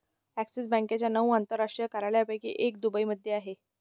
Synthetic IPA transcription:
æksisbə̃ŋkat͡ɕjanəuant̪əɾːaʂʈɾijəkəɾajɭjapəjkḭʔek̚d̪ubəiməd̪ʱːjeaɦe

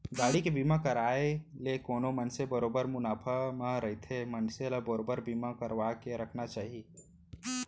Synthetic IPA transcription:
ɡaːɽikebiːmakəɾaːelekoːnomənsebəɾoːbəɾmʊnaːpʰəməɾəɦit̪ʰemənseləbəɾoːbəɾbiːmakəɾʋakeɾəkʰnat͡ʃaːɦi

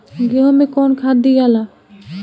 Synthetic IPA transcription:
ɡiɦɔmekɔnkʰad̪iɡala

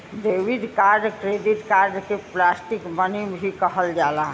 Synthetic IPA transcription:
d̪eʋid̪kaɾɖkɾed̪it̪kaɾɖkeplasʈikmənimbʱikəɦəld͡ʒala

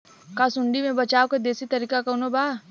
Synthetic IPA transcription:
kasʊɳɖimẽbɐt͡ʃaːwked̪eːsit̪ɐɾiːkakaʊnobaː

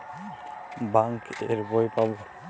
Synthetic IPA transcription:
baŋkeɾbɔjpabɔ

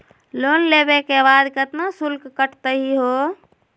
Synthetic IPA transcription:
lonlebekebad̪kət̪nasulkkəʈʰt̪əɦiɦo

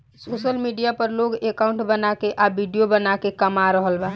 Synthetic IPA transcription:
sosəlmiɖijapəɾloɡekaʊ̃ɳʈbənakeʔabʱiɖijobənakekəmaɾəɦəlba

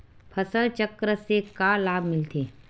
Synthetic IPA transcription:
pʰəsəlt͡ʃəkːɾəsekalaːbʱmɪlt̪ʰeː

